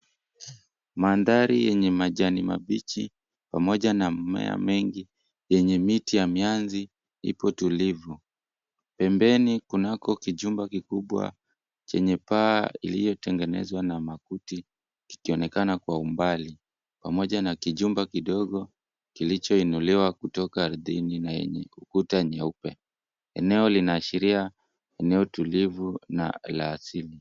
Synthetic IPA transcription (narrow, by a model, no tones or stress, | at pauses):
maːndaɾijɛɲɛmaʄanima̰ɓit͡ʃi | pamɔʄanamɛ̰a̰mɛŋɡi | jɛɲɛmitijamianzi | hḭpɔtulivu | pɛmbɛnikunakɔkiʄumbakikuɓwa̰ | t͡ʃɛɲɛpaːḭlijɔtɛŋɡɛnɛ̰zwanamakuti | ki̥kiɔnɛkanakwaumbali | pamɔʄanakiʄumbakiɗɔɠɔ | kilit͡ʃɔinuliwakutɔkaːɾðininajɛ̰ɲɛ̰ukutaɲaupɛ | ɛ̰nɛɔlinaːʃiɾia | ɛnɛɔtulivuna̰laːsili